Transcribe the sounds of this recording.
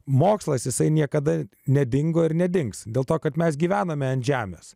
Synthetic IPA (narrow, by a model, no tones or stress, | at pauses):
moːkslˠɐsjɪsɐɪnʲiɛkɐd̪ɐ | nʲɛd̪ʲɪŋɡoːɪɾnʲɛd̪ʲɪŋksd̪ʲeːlˠt̪oːkɐt̪mʲɛs̬ɡʲiːʋʲæːnɐmʲɛɐnt̪ʲʒʲæːmʲḛːs